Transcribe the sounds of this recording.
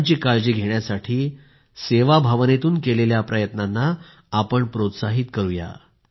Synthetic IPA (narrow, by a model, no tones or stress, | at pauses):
t͡ɕiːkaɭd͡ʑiːɡʱeɳjasaʈʰiː | seʋabʱaʋnet̪uːnkeleljapɾəjət̪nanːaː | pəɳpɾot̪saɦit̪kəɾuja̰